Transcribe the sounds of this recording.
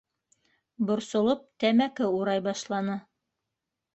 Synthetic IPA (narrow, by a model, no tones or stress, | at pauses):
bŏɾsŏlˠop̚t̪æmækɘuɾɑjbɑʃlˠɑnɤ